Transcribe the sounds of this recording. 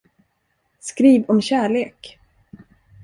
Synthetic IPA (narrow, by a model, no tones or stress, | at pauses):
skɾiːvɔmɕæːɭeːk